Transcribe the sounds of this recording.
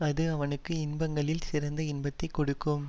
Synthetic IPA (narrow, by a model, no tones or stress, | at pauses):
ɐðɯɐʋɐnɯkːɯɪnbɐŋɡɐɭɪlsɪɾɐnd̪ɐɪnbɐt̪ːɐɪkːɔɽɯkːɯm